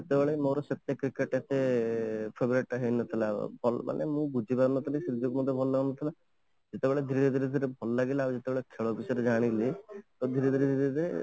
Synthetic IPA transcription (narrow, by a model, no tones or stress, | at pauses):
d͡ʒet̪ebeɭemoɾɔsɔt̪ːekɾikeʈet̪e | pʰebɔɾeʈaɦinɔt̪ʰilabʱɔlma̰nʔḛmũbud͡ʒʱipaɾnɔt̪ʰilisɾid̪ʱːɔkɔmɔd̪ʱːjebʱɔlɔːaɡnːɔt̪ʰila | d͡ʒet̪ebeɭed̪ʱiɾed̪ʱiɾed̪ʱiɾebʱɔlɔlaɡilad͡ʒet̪ebeɭekʰeɭɔbisɔɾed͡ʒaɽ̃ilit̪ɔd̪ʱiɾed̪ʱiɾed̪ʱiɾed̪ʱiɾe